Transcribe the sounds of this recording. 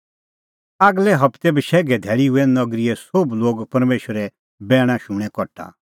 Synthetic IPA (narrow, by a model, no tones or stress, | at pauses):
aːɡlɛɦɐpʰt̪ɛbiʃɛːɡɛd̪ʱɛːɭiɦʊɛnɐɡɾiɛsobloːɡpɐɾmeːʃəɾɛ | bɛːɽ̃ãʃũɽ̃ɛ̃kɔʈʰːa̰